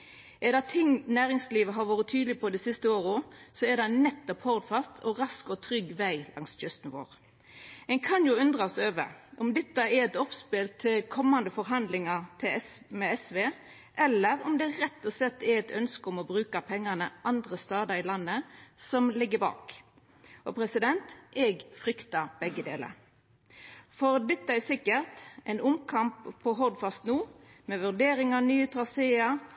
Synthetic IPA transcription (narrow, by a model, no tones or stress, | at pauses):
ʔɛd̪ɑt̪ʰɪŋːnæːɾɪŋsliːʋəɦɑɾʋoːɾət̪ʰyːd̪lɪpʰɔd̪ɛsɪst̪əoːɾəsɔɛd̪ɑnːɛt̪ːɔphɔɾd̪fɑst̪ʰɔɾɑskɔt̪ʰɾʏɡːʋæɪlʔɑ̰ŋsçʏst̪nʋo̰ːʁ | ɛnkʰɑnjʊʉnd̪ɾɑɔsøːʋə̰ʔɔmd̪ɛt̪ːɑɛɾɛt̪ɔpspɪlt̪ʰɪlkʰɔmːɑnd̪əfɔɾɦɑnd̪lɪŋɑʁt̪ʰɪɛmɛɛsʋe | ʔɛlːəʁɔmd̪ɛːɾɛt̪ːɔsɛt̪ːɛɛt̪ʰœnskəɔmɔbʁʉːkɑpʰɛŋːɑnəʔɑnd̪ʁəst̪ɑːd̪ɑɪlɑnːəsɔmlɪɡːəbɑ̰ːk | ʔɔpʰɾɛsɪd̪ɛnt̪ʔɛɡfɾʏkt̪ɑb̥ɛɡːəd̪ḛːlə̰ | fɔɾd̪ɛt̪ːəɛsɪkːəʁt̪ʔɛɪnʊmkʰɑmpʰːɔɦɔʁd̪fɑst̪nuːmɛʋʉʁd̪eːɾɪŋɑnyːət̪ʰɾɑseːɑ